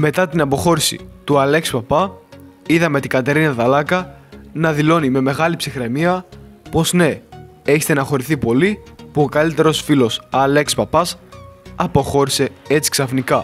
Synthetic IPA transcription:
me̞t̪ɐt̪inɐpo̞xo̞ɾisḭt̪uɐle̞kspɐpɐ | iðɐme̞t̪iɡɐt̪e̞ɾinɐðɐlɐkɐnɐðilo̞nime̞me̞ɣɐlipsixɾe̞miɐpo̞zne̞ | e̞çest̪enɐxo̞ɾiθipo̞lipuo̞kɐlit̪e̞ɾo̞sfilo̞sɐle̞kspɐpɐsɐpo̞xo̞ɾise̞e̞t͡si̥ksɐfnikɐ

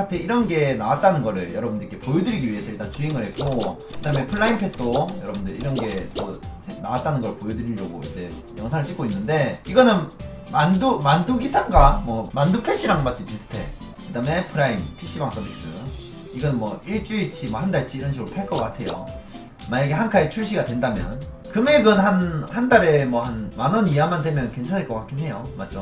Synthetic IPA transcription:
kʰatʰeiɾʌnɡe̞nawat̚t͈anɯnɡʌɾɯɭjʌɾʌbɯndɯɾikʰe̞pojudɯɾiɡiɥie̞sʰʌitat͡ɕuiŋɯɭhe̞k͈o | kɯdaːme̞pʰɯɭːaimpʰe̞t̚t͈ojʌɾʌbundɯɭiɾʌnɡe̞mʌsʰena̰wat͈anɯnɡʌɾɯɭpojodɯɾiɭɾʌɡo̰ḭd͡ʑe̞ | jʌŋsʰaŋɯɭt͡ɕ͈ik͈oinːɯnde̞iɡʌnɯn | mandumanduɡisʰaŋɡamwʌmandupʰeɕ͈ʰiɾaŋmat̚t͡ɕ͈ipisʰɯ̥tʰe̞̰ | kɯdame̞pʰɯɾaimpʰiɕ͈ibaŋs͈ʌbis͈ɯ̰ | iɡʌnɯnmwʌiɭt͡ɕ͈uit͡ɕʰimwʌhandaɭt͡ɕʰiːɾʌnɕʰiɡɯɾopʰaɭk͈ʌk͈atʰe̞jo̰ | majeɡehankʰait͡ɕʰuɭɕʰiɡadwendamjʌn | kɯme̞ɡɯnhanhandaɾe̞mwʌhanmanɯniamandwemjʌnke̞nt͡ɕʰaneɭkʌk͈ak͈inɦe̞jomat̚t͡ɕo

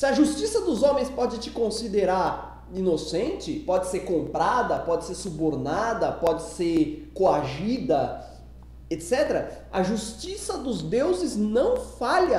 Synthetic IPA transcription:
sɪɐʒust͡ʃisɐd̪ʊzõmẽj̃spɔd͡ʒɪt͡ʃɪ̥kõsid̪eɾaɾ | inosẽnt͡ʃɪpɔd͡ʒɪseɾkõmpɾad̪ɐpɔd͡ʒɪseɾsuboɾnad̪ɐpɔd͡ʒɪseɾkoaʒid̪ɐ | et̪sɛt̪eɾɐ | ɐʒust͡ʃisɐd̪ʊzd̪ewzɪznɐ̃w̃faʎɐ

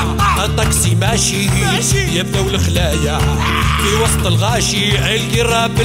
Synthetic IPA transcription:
ʔæt̪ˤːɑksimæʃi | jæb̚d̪æwlxlæja | fiwɑsˤt̪ˤəlɣæʃiʕæjlɡirˤːɑbə

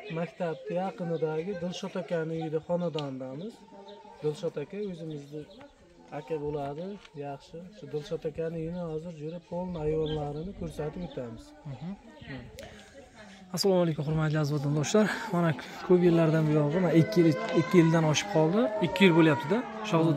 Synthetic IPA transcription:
makʲt̪ʰab̚t̪ʰajɑqɨnɪd̪aɡʲɪd̪ɪlˠʃɒt̪ʰakʲanɪd̪aχɒnad̪and̪amɪz̥d̪ɪlʃɒt̪akʲaɵzɪmɪzd̪a | akʲʰabolad̪ɪjɑχʃɪʃʊd̪ɪlˠʃɒt̪ʰakʲanɪjɪnɪhɒzɪɾd͡ʒʊɾapʰolˠnajɒnlaɾɪnɪkʰɵɾsat̪ʰɪpot̪ʰamɪz̥h | asːalˠɒmalekʰʲʊmχʊɾmat̪lɪazvat̪ʰɪnd̪owʃlaɾmanakʰɵpjeɾlaɾd̪anbɪjɒlˠʁɪmanaːɪkʲːɪjɪld̪anɒʃɪ̥p̚qʰɒlˠd̪ɪɪkʲʰːɪjɪlbolˠjap̚t̪ɪd̪a | ʃɒd̪

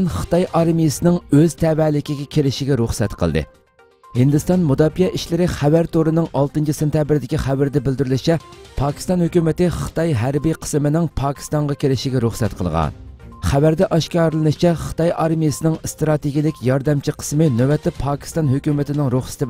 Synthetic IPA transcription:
nχɨ̥t̪ɑjʔɑɾmijɪsɨnɪŋøz̥t̪ʰɛvɛːlɪkʲiɡʲɛkʲʰelɪʃɪɡʲɛɾuχsɛt̪qʰəl̰ˠd̪ɨ̰ | hɪnd̪ɪst̪ɑnmud̪ɑːpijɛʔiʃlɪɾɪχævæɾt̪oɾɨnɨŋʔɑlˠt̪ɨnt͡ʃʰisent̪ʰʲjɑːbɾd̪ɪkʲiχæbɪɾd̪ɛbɪld̪yɾylɪt͡ʃʰɛpʰɑːkʲʰi̥st̪ɑnhøkʲymɪt̪ɪχɨ̥t̪ɑjɦæɾbiqʰə̥smɪnɪŋpʰɑːkʲʰi̥st̪ɑŋʁɑkʲʰelɪʃiɡʲɛɾuχsɛt̪qʰə̰lˠʁɑ̰nχævæɾd̪ɛʔɑʃkʲɑːɾɨlˠɨnɨt͡ʃʰɛχɨ̥t̪ɑjʔɑɾmijɪsɨnɪŋst̪ɾɑt̪eɡʲilɪkʲjɑɾd̪ɛmt͡ʃʰiqʰə̥smɪnøwɛt̪ːɛpʰɑːkʲʰi̥st̪ɑnɦøkʲymɪt̪ʰɪnɪŋɾuχsɪ̥t̪ɪ

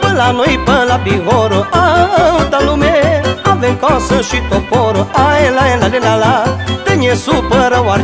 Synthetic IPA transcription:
pəlanoipɐ̃labiɣoɾoaɐũd̪alumeavẽŋkɔsə̃ʃit̪opoɾoaẽlaẽlalẽnalat̪eɲesupəɾɐwaɾ

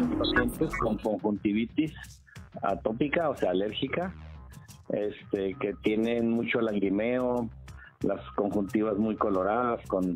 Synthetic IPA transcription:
aspasje̞nt̪esko̞ŋko̞ŋxunt̪iβit̪is | a̰t̪o̞pikaoseaːle̞ɾxika | est̪eke̞t̪je̞nenmut͡ʃolaɣɾimeo | lasko̞ŋxunt̪iβazmujko̞lo̞ɾaðasko̞n

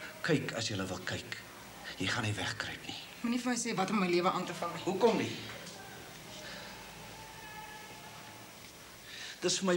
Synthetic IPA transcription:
kəjkʰɐsjələvəlˠkəjk | jəjχɐnivæχkrə̰jpni | munifəməjseːvɐtɔmːəjliəvəʔɑːntəfɐŋiɦukɔmdi | d̥əsfəmə

